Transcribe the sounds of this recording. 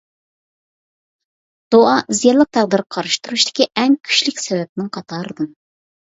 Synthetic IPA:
d̪̥oɑʔɨzjɑlˠəq̚t̪ʰæʁd̪ɨɾ̚qʰɑɾɨʃt̪uɾuʃt̪ɪ̥kʲiʔɛŋkʲʰy̥ʃlɪkʲsɛvɛp̚ɪnɪŋqʰɑt̪ʰɑːɾɨd̪ɨm

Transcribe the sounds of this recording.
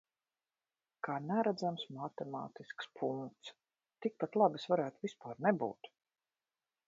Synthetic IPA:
kaːnæɾad̪zamsmat̪ɛma̰ːt̪iskspʰuŋkt̪s | t̪ik̚pat̪lˠabisvaɾæːt̪uvispaːɾnɛbṵːt̪

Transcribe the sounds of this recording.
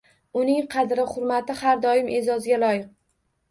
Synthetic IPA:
ʊnɪŋqʰɑd̪ɾɪχʊɾmat̪ɪhaɾd̪ɒjɪmʔezɒzɪɡʲalˠɒjɪq̚

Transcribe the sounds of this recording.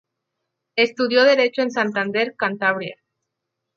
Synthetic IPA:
e̞st̪uðjo̞ð̞e̞ɾe̞t͡ʃoe̞nsant̪and̪e̞ɾkant̪aβɾja̰

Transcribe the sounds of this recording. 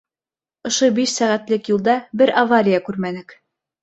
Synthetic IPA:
ŏʃobiʃsæʁæt̪lɘkjulˠd̪ɑbɘɾʔavaɾʲijɑkʉɾmænɘk

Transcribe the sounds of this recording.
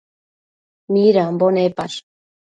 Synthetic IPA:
miɾambonepaʃ

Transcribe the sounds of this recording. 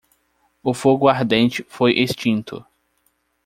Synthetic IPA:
ʊfoɡʊaɾd̪ẽnt͡ʃɪfojʔest͡ʃĩnt̪ʊ̰

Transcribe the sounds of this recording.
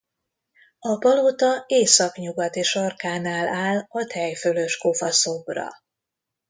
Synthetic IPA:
ɒbɒlot̪ɒeːsɒkɲuɡɒt̪eʃɒrkaːnaːlaːlɒt̪ʰɛjfølø̞ʃko̞fɒso̞brɒ̰

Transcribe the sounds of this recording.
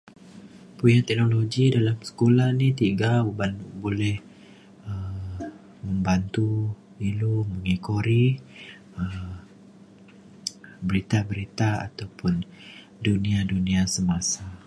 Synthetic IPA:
pujat̪ɛk̚noloɡidalamsə̥kolahnit̪iɡabanbolɛh | ə | məmbant̪u | iluməŋikoɾi | ə | bəɾit̪abəɾit̪aa̰t̪awpʊn | duniadunĩasəmasa

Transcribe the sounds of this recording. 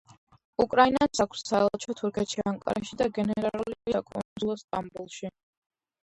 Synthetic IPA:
ukʼɾainasakʰssaɛllˠt͡ʃʰɔt̪ʰuɾkʰɛt̪ʃiaŋkʼa̰ɾaʃid̪aɡɛnɛɾauliakʼɔ̰nzilˠɔst̪ʼambulˠʃi

